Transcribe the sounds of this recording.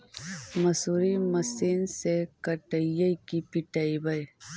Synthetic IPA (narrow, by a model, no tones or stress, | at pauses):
mɐsuːɾimɐsiːnsekɐʈəjɐikipiʈaibɐj